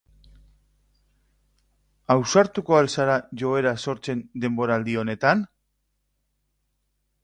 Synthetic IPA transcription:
awsaɾt̪uko̞alsaɾaʝo̞e̞ɾaso̞ɾt͡se̞nd̪e̞mbo̞ɾaːld̪io̞ne̞t̪an

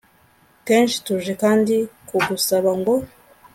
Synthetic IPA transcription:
ke̞ːnʃi̥tuʒekaːndikuɡusaβaŋɡo̞

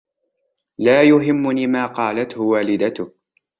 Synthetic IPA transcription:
laːjʊɦɪmːʊniːmaːqɑːlat̪hʊwaːlɪd̪at̪ʊh

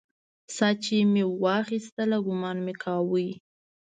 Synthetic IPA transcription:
sɑt͡ʃemewɑxist̪əlaɡʊmɑnmekʰɑwəj

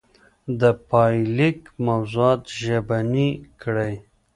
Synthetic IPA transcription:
d̪əpɑjlikmawzuɑːt̪ʒabanikɽej

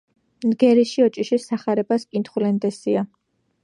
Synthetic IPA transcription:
nɡɛɾiʃiɔt͡ʃʼiʃisaχaɾɛbaskʼint̪ʰχulɛnd̪ɛsia

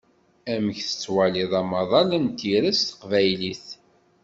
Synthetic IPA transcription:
æməçθə̥t͡sːwæliðˤɑmɑðˤɑlənt̪iɾæst̪ə̥qvæjliθ

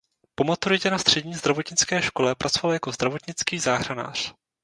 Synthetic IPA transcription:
po̞mat̪uɾɪcɛnast̪r̥ɛɟɲiːzd̪ɾavo̞t̪ɲɪt͡skɛːʃko̞lɛpɾʔat͡sovaljako̞zd̪ɾavo̞t̪ɲɪt͡skiːzaːɦɾana̰ːr̝̥

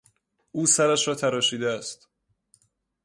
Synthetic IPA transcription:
ʔuːsæɾæʃɾɒːt̪ʰæɾɒːʃiːd̪eæst̪

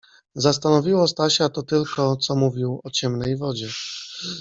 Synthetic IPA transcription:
zast̪anɔvʲiwɔst̪aɕat̪ɔt̪ɘlkɔt̪sɔmuvʲiwɔt͡ɕɛmnɛjvɔd͡ʑɛ

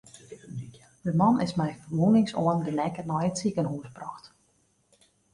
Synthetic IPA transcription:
dəmɑnɪsmɛjfərʋunɪŋsoəndənɛkənɔjəsikənɦuəsbrɔxt

